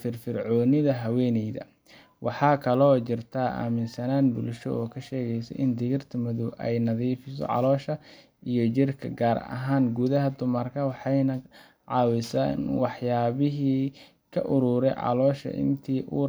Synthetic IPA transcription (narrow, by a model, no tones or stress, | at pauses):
fɪrfɪrʕɔːnɪðɐɦɐwɛːnɛjðɐ̰ | wʔɑħɑːkʰɐlɔt͡ʃɪrt̪ʰaːʔa̰ːmɪnsɐnaːnbʊlʃɔ̰ʔɔːkʰɐʃɛːɣɛjsɛ̰jʔɪnd̪ɪɣɪrt̪ʰɐmɐðɔwʔɛjnɐðiːfɪsɔ̰ʕɑ̰lɔːʃɐ | ijɞt͡ʃɪrkʰɐ̰ɡaːɾɐ̰ɦaːŋɡuðɐɦɐd̪ʊmɐrkʰɐwɑħɑjnɐ | ʕɑːwɪsa̰nwɑħjaːβɪɦiː | kʰɐʔʊɾuːɾɛjʕɑ̰lɔːʃɐ̰ʔɪ̰nt̪ʰiːʔuː